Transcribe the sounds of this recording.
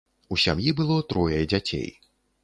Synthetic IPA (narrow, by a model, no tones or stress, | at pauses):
usʲa̰mjibɨlˠɔt̪ɾɔjɐjd͡zʲat͡sʲḛj